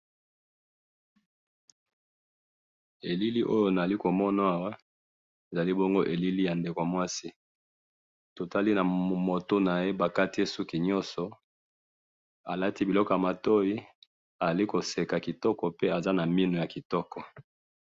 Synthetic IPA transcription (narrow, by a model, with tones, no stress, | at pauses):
e˨li˦li˦ʔo˦jo˦na˨a˨li˦ko˨mɔ˦na˦a˦˨wa˦ | e˨za˨li˦bo˦ŋɡo˦ʔe˨li˦li˦ja˨nde˨ko˨mwa˦si˦ | to˨ta˦li˦na˨mo˨to˦na˨je˦ba˨ka˦ti˦e˦su˦ki˨ɲɔ˦nsɔ˨ | a˨la˦ti˦bi˨lɔ˦kɔ˨ja˨ma˨to˦i˦ | a˨za˨li˦ko˨se˨ka˨ki˨tɔ˦kɔ˨pe˦a˨za˦na˨mi˦no˨ja˨ki˨tɔ˦kɔ˨